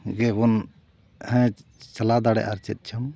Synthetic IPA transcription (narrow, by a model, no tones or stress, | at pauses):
ɡɛbɔn | hɛ̃t͡ʃəlad̪aɽɛ̰ʔaɾt͡ʃɛt̪̚ˀt͡ʃʰɔm